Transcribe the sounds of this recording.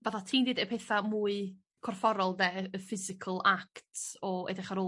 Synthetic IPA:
baθatʰiːndidɛpʰeθamuːɨ | kʰɔrfɔɾɔlˠdɛəfɪzɪkʰəlˠaktʰɔɛ̰dɪχaɾo

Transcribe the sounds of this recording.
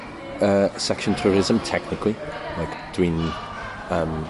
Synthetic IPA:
əsɛkʃə̃ntʰuːɹɪzə̃mtʰɛknɪkʰlilaɪkd̥wĩn | əm

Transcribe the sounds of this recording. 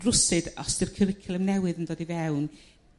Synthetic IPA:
rʊsɨdɔsd̥ɪrkʰəɾɪkʰɪlˠəmnɛwɨðəndoːdivɛwn

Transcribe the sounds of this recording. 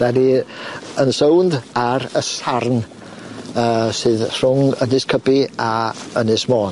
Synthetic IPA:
vɛdi | ənsowndaɾəsarn | əːsɨːðr̥ʊŋənɪskʰəbiaənɨsmoːn

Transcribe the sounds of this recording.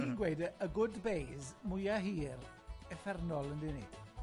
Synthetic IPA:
iːnɡwejdəəɡʊdbejzmʊjaɦiːr | ɛfɛrnɔlˠəndɪnḛd̥

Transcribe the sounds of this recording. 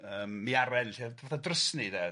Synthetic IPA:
əːmːiaɾɛnɬidvɔðadrəsnidɛ

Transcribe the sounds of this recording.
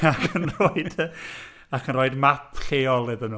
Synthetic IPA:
akʰəənroɨd̥ | akʰənroːɨdmapʰɬeːɔlˠeðənuː

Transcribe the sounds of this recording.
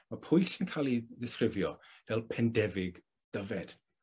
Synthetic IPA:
mapʰʊjɬənkʰalˠiðɪskrɪvjɔvɛlˠpʰɛndɛvɪɡ | d̥əvɛd̥

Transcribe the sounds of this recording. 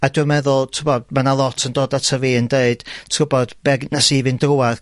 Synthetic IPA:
aduəmɛðʊlˠtʰʊbɔmanalˠɔtʰəndoːdatʰəviːəndeɨd̥tʰrʊbɔd̥b̥ɛɡnasivɨndrʊar

